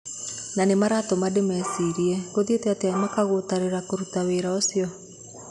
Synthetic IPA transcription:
nanemaɾatomademɛsiɾiɛɣoðeteateamakaɣotaɾeɾakoɾutaweːɾaosjɔ

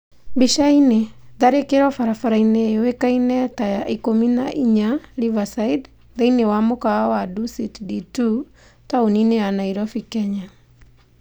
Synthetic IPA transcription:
biʃaineðaɾekeɾɔfaɾafaɾainewekainɛtajaʔikomina̰ʔiɲalivasaid | ðainewamokaawadusitditu | taonineanaiɾɔfikɛɲa

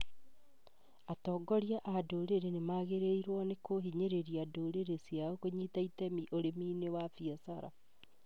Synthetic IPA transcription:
atɔːɡɔɾjaʔadoɾeɾenemaɣeɾeiɾwɔnekoɦiɲeɾeɾiadoːɾeɾesjaokoɲiːtaitɛmiʔoɾemiːnewafiɔsaɾa̰

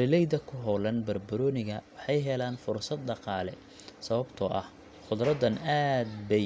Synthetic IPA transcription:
ɾɪlɛjðɐkʰʊɦɔlɐnbɐrbɐɾɔːnɪɣɐwɑħɑjɦɛlaːnfʊrsɐd̪ɖɑqɑːlɛ | sɐβɐbt̪ʰɔʔɐh | χʊd̪rɐd̪ːɐnaːd̪bɛj

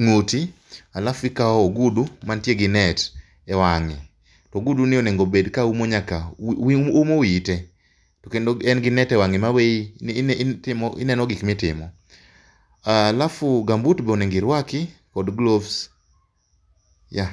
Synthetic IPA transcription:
ŋuti | alafɪkaɔːɡudumantjeɡɪnɛt | ɛwaŋɪ̰ | tɔɡudunɪoneŋɡobedkaumoɲaka | umowite | tɔkenoɛnɡɪnɛtɛwaŋɪmawei | tɪmɔʔɪ̰nɛnɔɡɪkmɪtɪ̰mɔ | aːlafʊɡambutbeoneŋɡɪɾwakɪkɔdɡlovs | ja

